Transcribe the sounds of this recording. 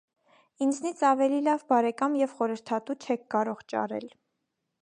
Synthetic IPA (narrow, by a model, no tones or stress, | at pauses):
ind͡znit͡sʰɑvɛlilɑvbɑɾɛkɑmjɛvχɔɾəɾt̪ʰɑt̪ut͡ʃʰɛk̚ʰkɑɾɔʁt͡ʃɑ̰ɾɛ̰l